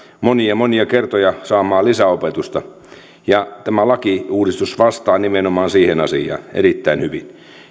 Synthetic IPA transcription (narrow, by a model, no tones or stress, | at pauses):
moniɑmoniɑkert̪ojɑsɑːmɑːlisæopet̪ust̪ɑ | jɑt̪æmælɑkiuːdist̪usʋɑst̪ɑːnimenomɑːnsiːhenɑsijˑɑ̰ːḛɾit̪ːæinhyʋḭn